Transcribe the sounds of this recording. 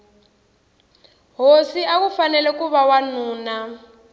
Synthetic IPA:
ɦosiakufanɛlɛkuβawanuːna

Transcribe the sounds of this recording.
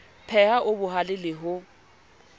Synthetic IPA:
pʰɛhaʔʊbʊɦalɪlɪɦʊ

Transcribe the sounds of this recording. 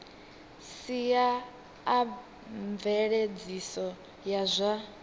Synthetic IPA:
siaː | ɱvɛɺed͡zisɔ | jazʷa

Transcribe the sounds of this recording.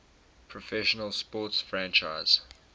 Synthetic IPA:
pʰɹɔfɛʃənəlˠspɔːˑtsfɹæ̃nt͡ʃaɪz̥

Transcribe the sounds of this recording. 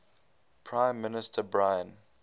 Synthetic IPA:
pʰɹãɪ̃mːɪnɪstʰəbɹaɪə̃n

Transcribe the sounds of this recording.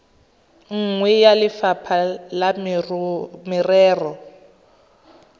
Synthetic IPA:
ŋ̩ŋwɛjalɪfapʰala | mɪrɛːrɔ

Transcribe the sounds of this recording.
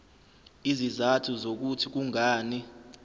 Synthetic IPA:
izizatʰuzok̬utʰik̬uŋaːni

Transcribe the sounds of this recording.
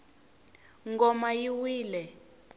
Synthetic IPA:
ŋɡɔmajiwiːlɛ

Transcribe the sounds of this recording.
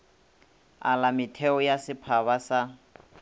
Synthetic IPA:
a̰lamɪtʰɛɔjasɪpʰaβasa

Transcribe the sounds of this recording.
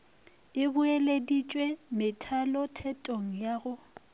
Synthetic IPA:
ɪbʊeledit͡ʃʼwemɪtʰalɔtʰɛtʼoŋ̩jaɣʊ

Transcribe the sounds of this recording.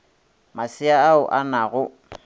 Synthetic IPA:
masɪaːʊʔanaɣʊ

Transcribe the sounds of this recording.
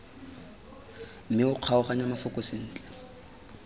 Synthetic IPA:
m̩mɪʊq͡χʰaʊχaɲamafʊkʼɔsɪn̩ːt͡ɬʼɛ̥

